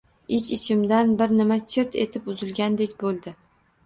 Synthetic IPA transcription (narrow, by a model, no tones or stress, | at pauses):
ɪt͡ʃɪt͡ʃʰɪmd̪anbɪɾnɪmat͡ʃʰɪɾt̪ʰe̞̰t̪ʰɪpʊzɪlɡʲand̪ekʲbolˠd̪ɪ